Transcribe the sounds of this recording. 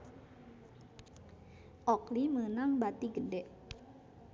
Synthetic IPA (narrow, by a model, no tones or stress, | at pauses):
ʔɔklimənaŋbat̪iɡədɛʔ